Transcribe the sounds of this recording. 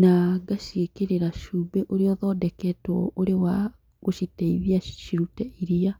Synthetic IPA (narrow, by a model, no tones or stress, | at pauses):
naɡaʃiekeɾeɾaʃuːbɛʔoɾeɔðɔːdɛkɛtɔ̰oɾewa | ɣoʃitɛiβiaʃiɾutɛiɾia